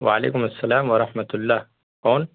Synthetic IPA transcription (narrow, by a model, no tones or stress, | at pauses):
waʕalḛːkʊmasːɐlaːmwɐɾˤɑħmat̪ʊlːaːh | ɔːn